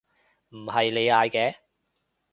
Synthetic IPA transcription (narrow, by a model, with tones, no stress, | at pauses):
m̩˨˩hɐ˨jle˨˧jaː˨˧jkɛː˨˧